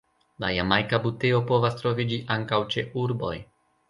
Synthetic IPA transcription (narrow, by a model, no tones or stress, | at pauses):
la̰jamajkabute̞o̞po̞vastɾo̞vid͡ʒiʔaŋkawt͡ʃe̞ʔuɾbo̞̰j